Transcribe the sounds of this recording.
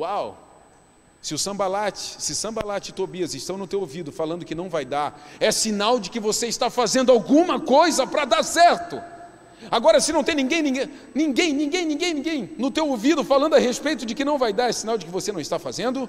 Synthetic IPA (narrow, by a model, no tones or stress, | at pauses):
waw | sɪʊsɐ̃balat͡ʃɪ̥sɪsɐ̃balat͡ʃɪt̪obiɐzɪʃt̪ɐ̃w̃nʊt̪ewovid̪ʊfalɐ̃nd̪ʊkɪnɐ̃w̃vajd̪aɾɛsinawd͡ʒɪkɪvoseiʃt̪afazẽnd̪ʊawɡũmɐkojzɐpɾɐd̪asɛɾt̪ʊ | aɡɔɾɐsɪnɐ̃w̃t̪ẽnĩɡẽj̃nĩɡe | nĩŋɡẽj̃nĩɡẽj̃nĩɡẽj̃nĩɡẽj̃nʊt̪ewovid̪ʊfalɐ̃nd̪ʊahespejt̪ʊd͡ʒɪkɪnɐ̃w̃vajd̪aɾɛsinawd͡ʒɪkɪvosenɐ̃w̃ɪst̪afazẽnd̪ʊ